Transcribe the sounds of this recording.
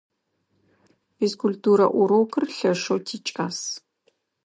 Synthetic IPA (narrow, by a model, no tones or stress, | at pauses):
iskultuːɾɐ̰ʔʷʊɾoːkʰɨrɬɐʂowtʰiːt͡ʃʼaːs